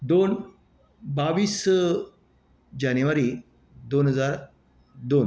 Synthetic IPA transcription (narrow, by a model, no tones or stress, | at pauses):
d̪on | baʋiːs | d͡ʑanjuʋaɾiː | d̪onɦəd͡zaɾ | d̪on